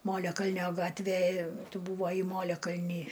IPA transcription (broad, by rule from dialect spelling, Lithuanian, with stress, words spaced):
ˈmoːlʲɛkɐlʲnʲoː ˈɡɑːtʲʋʲeː ˈtʊ bʊˈʋɐɪ ˈmoːlʲɛkɐlʲnʲiː